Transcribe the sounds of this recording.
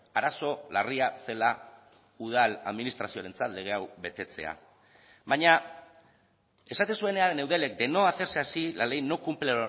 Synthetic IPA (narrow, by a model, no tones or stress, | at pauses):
aɾaso̞la̰riase̞la | uð̞ala̰ðminist̪ɾasioaɾe̞nt͡sat̪le̞ɣ̞e̞awβe̞t̪e̞t͡se̞̰a̰ | βaɲa | e̞sat̪e̞sue̞ne̞aene̞wðele̞k̚d̪e̞no̞aθe̞ɾseasilale̞jno̞kumpleo